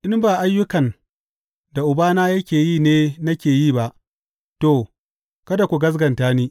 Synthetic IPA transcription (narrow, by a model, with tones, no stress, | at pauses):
ʔɪ˦mbaː˨ʔa˦jːʊ˦kɐ˨n | da˨ʔʊ˨baː˦naː˦jɐ˦kʲeː˨jiː˦˨neː˦nɐ˦kʲeː˨jiː˦˨ba˦ʔ | to˦˨ | kɐ˦da˨kʷu˨ɡɐ˦z̬ɡɐ˨ntaː˦niː˦